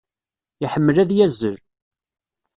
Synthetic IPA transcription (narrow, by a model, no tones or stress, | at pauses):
iħəmːəlæðjæzːəɾ